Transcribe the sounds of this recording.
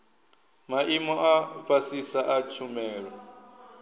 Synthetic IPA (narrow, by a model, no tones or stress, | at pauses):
maʔimɔʔapasisaʔat͡ʃʰumɛːɺɔ